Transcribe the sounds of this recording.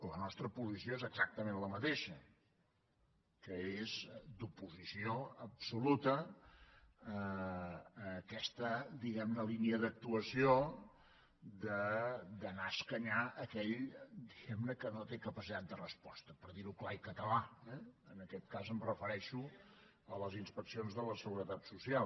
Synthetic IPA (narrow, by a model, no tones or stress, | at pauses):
lənɔst̪ɾəpuzisioezəɡzak̚t̪əmẽnləmət̪eʃə | kəezd̪upuzisioəpsulut̪ə | ə | əkɛst̪əd̪iɣɛmnəliniəðək̚t̪uəsio | d̪əd̪ənaəskəɲaʔəkɛʎd̪iɣɛmnəkənot̪ekəpəsit̪at̪̚d̪ərəspɔst̪əpəɾðiɾuklajkət̪əlaɛənəkɛt̪kazəmrəfəɾɛʃu | ələzinspəksionzðələsəɣuɾət̪at̪susial